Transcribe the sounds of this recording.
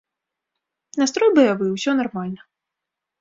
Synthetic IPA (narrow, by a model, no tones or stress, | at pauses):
nast̪ɾɔjbɐjavɨwsʲɔnarmalʲnɐ